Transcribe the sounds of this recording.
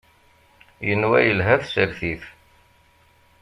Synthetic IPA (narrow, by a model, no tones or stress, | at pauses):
jənwæ̰jəlɦæfsəɾθiθ